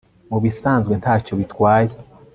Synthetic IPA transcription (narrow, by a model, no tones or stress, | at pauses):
muβisaːnzɡwe̞ntaːcoβitwaːje